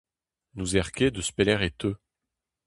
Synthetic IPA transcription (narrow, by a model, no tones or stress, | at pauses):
nuzɛʁkʲed̪əspelɛʁet̪ø